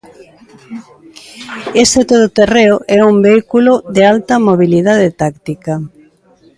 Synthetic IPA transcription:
eset̪oðot̪ereʊʔɛumbeikulʊðealt̪ɐmoβilið̞að̞et̪akt̪ikɐ

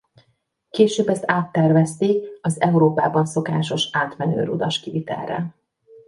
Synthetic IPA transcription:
keːʃøːbɛst̪aːt̪ːɛrvɛst̪iːkɒzɛuɾoːpaːbɒnso̞kaːʃo̞ʃaːt̪mɛnø̰ːɾṵd̪ɒʃkivit̪ɛ̰lrːɛ̰

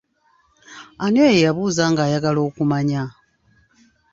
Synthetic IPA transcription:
anjojejaβuːzaŋɡaːjaɡalo̞ːkumaɲa

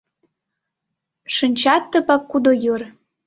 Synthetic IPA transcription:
ʃənʲt͡ɕɑt̪ːə̆pɑkːud̪ojør

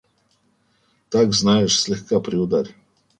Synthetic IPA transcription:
t̪aɡznajɪʂsʲlʲɪxkapɾʲɪʊd̪aɾʲ

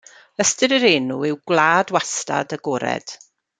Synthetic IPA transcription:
əstəɾəɾeːnuɪwɡlˠaːdwasta̰dəɡɔɾɛ̰d̥

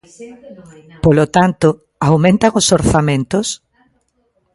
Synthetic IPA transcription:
polot̪ant̪ʊ | awmẽnt̪aŋosoɾθamẽnt̪ʊs

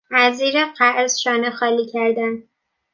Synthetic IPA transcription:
æziːɾeɢæʔzʃɒːnexɒːliːcʰæɾd̪ænd̪

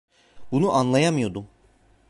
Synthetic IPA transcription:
bunuʔanlˠajamɯjo̞d̪u

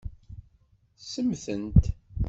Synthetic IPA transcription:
səmθənt̪

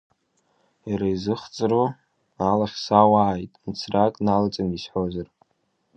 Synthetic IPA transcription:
iɾajzɨχt͡sʼru | alaχʲsawaːjtʼmt͡sʰrakʼnalat͡sʼanisħozar

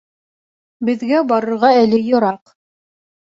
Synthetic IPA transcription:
bɘ̆ðɡæbɑɾɤ̆ɾʁɑælɘjɤ̆ɾɑq

